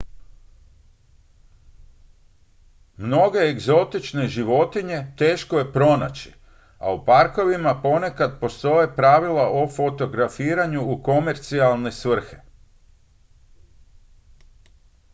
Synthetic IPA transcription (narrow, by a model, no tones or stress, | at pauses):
mno̞ɡe̞ːɡzo̞t̪it͡ʃne̞ʒiʋo̞t̪iɲe̞t̪e̞ːʃkoje̞pɾo̞na̰t͡ɕi̥ | a̰upaɾko̞ʋimapo̞ne̞kad̪po̞st̪o̞je̞pɾaʋilaʔofo̞t̪o̞ɡɾafiːɾaɲuːko̞me̞ɾt̪sialˠne̞sʋr̩xe̞